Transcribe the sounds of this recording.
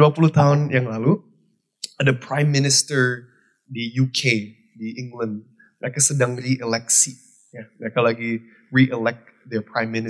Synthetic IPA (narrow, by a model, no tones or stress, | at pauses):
uapuluht̪aɦʊnjaŋlalu | dəpʰɹãjmːɪnɪst̪əɹ | dijukʰe | diʔɪ̃ŋɡlə̃nd | la̰kasədãŋɾiʔɛlɛksi | jalakalaki | ɹiʔɛlɛk̚d̪ɛpɹãjmːɪnɪ